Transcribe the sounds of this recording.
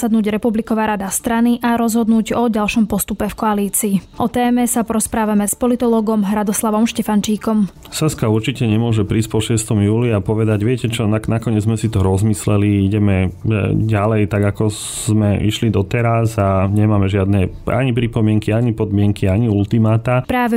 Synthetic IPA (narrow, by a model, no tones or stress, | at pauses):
sad̪nuːɟɾɛpublikɔʋaːɾad̪ast̪ɾaniʔaɾɔzɦɔd̪nuːɟɔɟalʃɔmpɔst̪upɛfkɔaliːt͡siːʔɔt̪ɛːmɛsapɔɾɔspɾaːʋamɛspɔlit̪ɔlɔːɡɔmɦɾad̪ɔslaʋɔmʃcɛfant͡ʃiːkɔm | sɛskauɾt͡ʃicɛɲɛmʊɔʒɛpɾiːsc̚pɔʃɪɛst̪ɔmjuːliapɔʋɛd̪aɟʋɪɛcɛt͡ʃɔnanakɔɲɪɛd͡zzmɛsit̪ɔɾɔzmislɛliiɟɛmɛɟalɛjt̪aɡakɔ | zmɛʔḭʃlid̪ɔt̪ɛɾazaɲɛmaːmɛʒɪad̪nɛa̰ɲipɾipɔmɪɛŋkiaɲipɔd̪mɪɛŋkiaɲiult̪imaːt̪apɾaːʋɛ